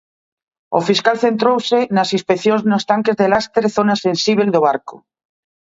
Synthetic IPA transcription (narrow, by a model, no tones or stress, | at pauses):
ofiskalθent̪ɾowsenasĩnspekθjonznost̪aŋkezðelast̪eɾθonasẽnsiβ̞eld̪oβ̞aɾko